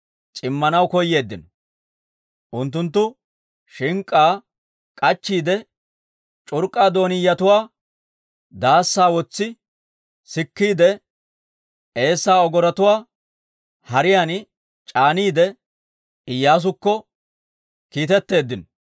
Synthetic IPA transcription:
t͡ʃʼɪmːɐnɐwkɔjːe̞ːd̪ːɪnɔ | ʔʊnt̪̬ːʊnt̪̬ːʊ | ʃɪŋkʼːaː | kʼɐt͡ʃːiːd̪ɛ | t͡ʃʼʊɾkʼːaːd̪o̞ːnɪjːɐt̪ʊwaː | d̪aːsːaːwɔt͡sːɪ | sɪkːiːd̪ɛ | e̞ːsːaːɔɡɔɾɐt̪ʊwaː | hɐɾɪjan | t͡ʃʼaːniːd̪ɛ | ɪjːaːs̬ʊkːɔ | kiːt̪ɛt̪ːe̞ːd̪ːɪnɔ

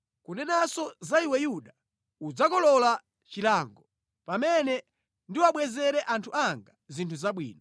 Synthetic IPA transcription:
kunɛnasɔzaiwɛjuɗa | ud͡zakɔlɔla | t͡ʃilaːŋɡɔ | pamɛnɛ | ndiwaɓwɛzɛɾɛʔantʰuaŋɡazintʰuzaɓwḭːnɔ

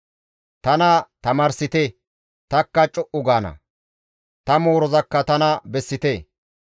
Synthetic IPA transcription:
t̪ɐnɐt̪ɐmɐɾsɪt̪e | t̪ɐkːɐt͡ʃʼɔʔʊɡaːnɐ̰ | t̪ɐmoːɾɔzɐkːɐt̪ɐnɐbɛsːɪt̪eː

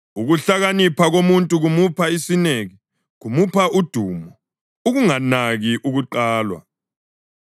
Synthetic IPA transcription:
uɣuɬaɣanipʰaɣomuntʼuɣumupʰaisineɣi | ɣumupʰaʔud̥ʱuːmɔ | uɣuŋanaɣiʔuɣuǃaːlwa̰

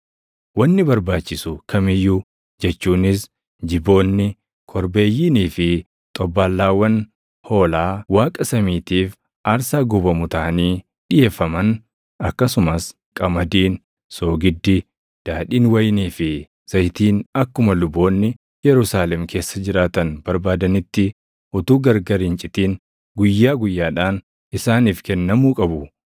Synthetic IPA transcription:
wɐnːɪbɐɾbaːt͡ʃːɪsʊkʰɐmɪjːu | d͡ʒɛt͡ʃːuːnɪs̬ | d͡ʒɪbo̞ːnːɪ | kʰɔɾbe̞ːjːiːniːfɪ | t̪ʼɔbːaːlːaːwːɐn | ho̞ːlaːwaːkʼɐsɐmiːt̪iːf | aɾsaːɡʊbɐmʊt̪aːniː | ᶑɪje̞ːfːɐmɐn | ɐkːɐsʊmɐs | kʼɐmɐd̪iːn | so̞ːɡɪd̪ːɪ | d̪̥aːᶑiːnwɐjniːfɪ | sɐjt̪iːnɐkːʊmɐlʊbːo̞ːnːɪ | jɛɾʊsaːlɛmkʰe̞ːsːɐd͡ʒɪɾaːt̪ɐnbɐɾbaːd̪ɐnɪt̪ːɪ | ʔʊt̪uːɡɐɾɡɐɾɪnt͡ʃʼɪt̪iːn | ɡʊjːaːɡʊjːaːᶑaːn | ɪsaːniːfkɛnːɐmuːkʼɐbʊ

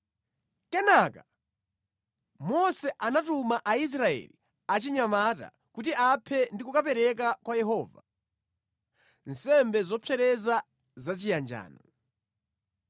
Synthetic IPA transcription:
kɛnaka | mɔsɛʔanatumaʔais̬ɾaɛ̰li | at͡ʃiɲamata̰ | kut̬iʔapʰɛndikukap̬ɛɾɛkakwajɛɦɔːva̰ | nsɛmbɛzɔpʰɛɾɛza | zat͡ʃijand͡ʒa̰ːnɔ

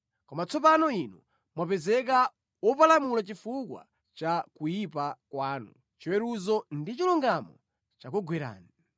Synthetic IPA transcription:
kɔmat͡sɔp̬anɔinu | mwapɛzɛk̬a | wɔpalamulat͡ʃifukwa̰ | t͡ʃakujipakwaːnṵ | t͡ʃiwɛɾuzɔndit͡ʃiluŋɡamɔ̰ | t͡ʃak̬ɔɡwɛɾa̰ːni

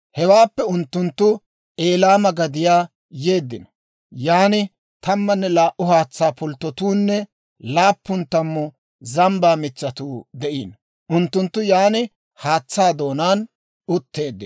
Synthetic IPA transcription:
hɛwaːpːɛʊnt̪ːʊnt̪ːʊ | ʔe̞ːlaːmɐɡɐd̪ɪjaː | je̞ːd̪ːɪnɔ̥ | jaːnɪ | t̪ɐmːɐnːɛlaːʔʊhaːt͡sːaːpʊlt̪ːɔt̪uːnːɛ | laːpːʊnt̪ːɐmːɔ | zɐmbaːmɪt͡ʃːɐt̪uːd̪ɛʔḭːn | ʔʊnt̪ːʊnt̪ːʊjaːnɪ | haːt͡sːaːd̪o̞ːnaːn | ʊt̪ːe̞ːd̪ːɪ

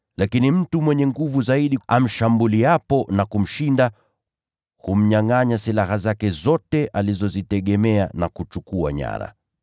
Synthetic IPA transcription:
lakinim̩tumwɛɲɛŋɡuvuzaiɗiam̩ʃambuliapɔnakum̩ʃinda | hum̩ɲaŋaɲasilahazakɛzɔtɛʔalizɔzitɛɠɛmɛanakut͡ʃukua̰ɲa̰ɾa̰

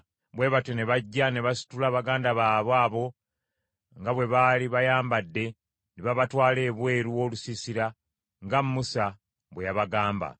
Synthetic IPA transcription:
βwe̞ːβatene̞βaɟːane̞βasi̥tulaːβaɡaːndaβaːβwaːβo̞ | ŋɡaβwe̞βaliβajaːmbadːe̞ | niβaβatwaːle̞ːβwe̞ːɾuo̞lusisiɾa | ŋɡammusa | βwejaβaɡaːmba̰

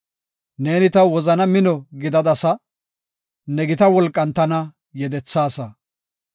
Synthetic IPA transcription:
neːnɪt̪ɐwɔzɐnɐmɪnɔɡɪd̪ɐd̪ɐsɐ | nɛɡɪt̪ɐwɔlkʼːɐnt̪ɐnɐ | jɛd̪ɛt͡sːaːsɐ

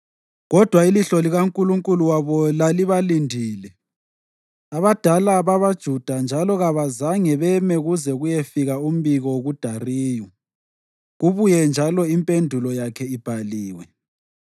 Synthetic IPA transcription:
ɣɔd̥ʱwailiɬɔliɣaŋkʼuluŋkʼuluwaβɔlaliβalindʱiːlɛ | aβad̥ʱalaβaβad̥ʒ̥ʱud̥ʱand͡ʒʱalɔɣaβazaŋɛβɛmɛɣuzɛɣujefiɣaum̩βiɣɔɣud̥ʱariːjɔ | ɣuβujɛnd͡ʒʱalɔimpʼendʱulɔjakʰɛib̥ʱaliːwɛ

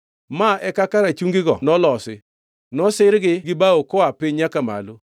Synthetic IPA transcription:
maɛkakaɾat͡ʃuŋɡɪɡɔ̰nɔlɔsɪ̰ | nɔsɪɾɡɪɡɪbaokɔapɪɲɲakama̰lo

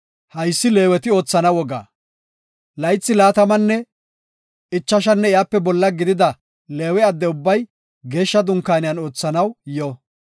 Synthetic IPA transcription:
hɐjsːɪle̞ːwɛt̪ɪo̞ːt͡sːɐnɐwɔɡa̰ː | lɐjt͡sːɪlaːt̪ɐmɐnːɛ | ɪt͡ʃːɐʃ̬ɐnːɛɪjaːpːɛbɔlːɐɡɪd̪ɪd̪ɐ | le̞ːwɛɐd̪ːɛʊbːɐj | ɡe̞ːʃːɐd̪ʊŋkːaːnɪjɐno̞ːt͡sːɐnɐwjɔ

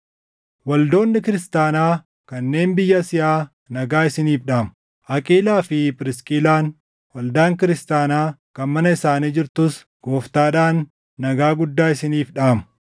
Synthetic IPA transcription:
wɐld̪o̞ːnːɪkɪɾɪst̪aːnaː | kɐnːe̞ːnbɪjːɐsɪʔaː | nɐɡaːɪsɪniːfɗaːmɐ | ʔɐkʼiːlaːfɪpɪɾɪskʼilaːn | wɐld̪aːŋkɪɾɪst̪aːnaːkɐnmɐnɐɪsaːniːd͡ʒɪɾt̪ʊs | ɡ̥o̞ːft̪aːᶑaːnː | ɐɡaːɡʊd̪ːaːɪsɪniːfɗaːmɐ̥

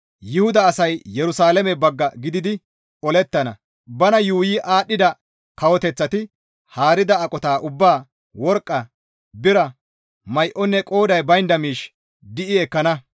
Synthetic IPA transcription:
jɪhʊd̪ɐːsɐjjɛɾʊsaːlɛmɛbɐɡːɐɡɪd̪ɪd̪ɪ | ʔɔlɛt̪ːɐnɐ̰ | bɐnɐjuːjiːʔaːɗːɪd̪ɐ | kɐwɔt̪ɛt͡sːɐt̪ɪ | haːɾɪd̪ɐːkʼɔt̪aːʔʊbːaː | wɔɾkʼːɐ | bɪɾɐ | mɐjʔɔnːɛkʼoːd̪ɐjbɐjnd̪ɐmiːʃ | d̪ɪʔɪɛkːɐnɐ

